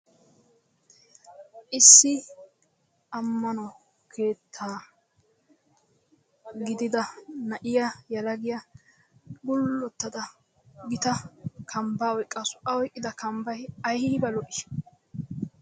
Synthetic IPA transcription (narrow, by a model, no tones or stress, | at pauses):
ʔɪsːɪ | ɐmːɐnɔ | kʰe̞ːt̪ʰːaː | ɡɪd̪ɪd̪ɐnɐʔɪjɐjɐlɐɡɪjɐ | ɡʊlːɔt̪ːɐd̪ɐ | ɡɪt̪ɐkʰɐmbaːɔjkʼːɐsʊ̥ʔɐwɔjkʼːɪd̪ɐkɐmbɐjɐjhɪɪbɐlɔʔɪʃ